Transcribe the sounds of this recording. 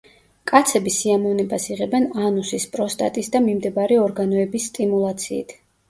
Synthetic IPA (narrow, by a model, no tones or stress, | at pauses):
kʼat̪sʰɛbisiamɔvnɛbasiʁɛbɛnanusispʼɾɔst̪ʼa̰t̪ʼisd̪amimd̪ɛbaɾiɔɾɡanɔɛbisːt̪ʼimulˠat̪sʰḭːt̪ʰ